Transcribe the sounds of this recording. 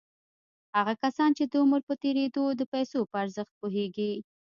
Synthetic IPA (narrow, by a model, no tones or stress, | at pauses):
haɣakasɑnt͡ʃed̪əʊməɾpət̪eɾed̪od̪əpajsopəaɾzəxt̪̚poɦeɡi